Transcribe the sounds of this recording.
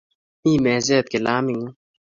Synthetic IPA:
ĩːmeːzeːt̪̚kelaːmiŋu

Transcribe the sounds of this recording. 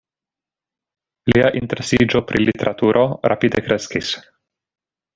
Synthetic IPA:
liaʔinte̞ɾesid͡ʒo̞pɾʔilite̞ɾʔatuɾʔo̞ɾa̰pidekɾe̞skis

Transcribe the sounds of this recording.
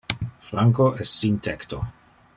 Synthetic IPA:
flaŋkoʔɛstsint̪ʰɛkt̪o

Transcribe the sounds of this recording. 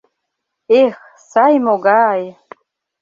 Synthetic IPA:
ex | sajmoɡaj

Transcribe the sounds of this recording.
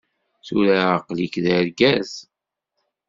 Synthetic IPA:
θuɾaqlikðəɾɡæz

